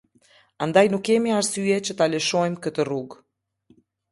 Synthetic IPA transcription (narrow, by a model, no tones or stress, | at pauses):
and̪ajnukːɛmiaɾsyɛt͡ɕət̪aləʃɔjmkət̪əruɡ